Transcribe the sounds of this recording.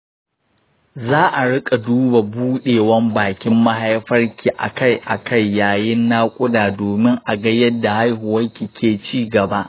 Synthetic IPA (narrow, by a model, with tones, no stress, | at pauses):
zaː˦ʔa˨ɽɪ˦kʼa˨duː˦ba˨buː˦ɗeː˨wɐ˦mbaː˨kʲɪ˦mːɐ˦ɦa˦jɸɐ˦rkʲi˨ʔa̰˨ka˦˨jʔa̰˨ka˦˨jːaː˨jɪ˦nːaː˦kʷʼʊ˦daː˨doː˨mɪ˦ŋʔa˨ɡɐ˦jɐ˦dːa˨ha˦jhʊ˨wɐ˦ŋkʲi˨kʲeː˨t͡ʃiː˦ɡɐ˨ba˦ʔ